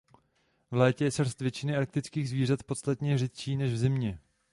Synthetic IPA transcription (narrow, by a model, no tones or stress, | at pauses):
vlɛːcɛjɛsr̩ɾ̩st̪vjɛt͡ʃɪnɪaɾk̚t̪ɪt͡skiːɣzviːrat̪po̞t̪st̪at̪ɲɛr̝ɪt̪̚t͡ʃiːnɛʒvzɪmɲɛ